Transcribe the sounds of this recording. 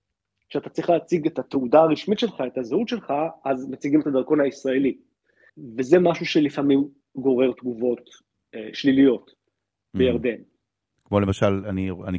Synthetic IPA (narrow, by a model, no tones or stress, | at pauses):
kʃeat̪at͡sʁi̥χleːt͡siɡetat̪eudaːʁiʃmit̪ʃe̞lχae̞t̪azeutʃe̞lχaazmet͡siɡimetad̪aʁko̞nhaisʁae̞li | ve̞ze̞maʃuʃe̞lifamim | ɡo̞ʁe̞ʁt̪ɡuvo̞t̪ | ʃlilijo̞t | bejaʁd̪e̞n | kmo̞lemaʃalaniani